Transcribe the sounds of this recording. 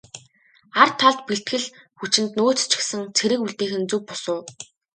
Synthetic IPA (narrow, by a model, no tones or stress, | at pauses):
ar̥t̪ʰːaɮt̪̚piɬt̪xɘ̆ɮxut͡ɕɪ̆nt̪noːt͡st͡ɕʰɪ̥̆xsɘ̆ŋt͡sʰeɾɘ̆kuɮt̪eːxɘ̆nt͡suk̚pʊ̥sʊː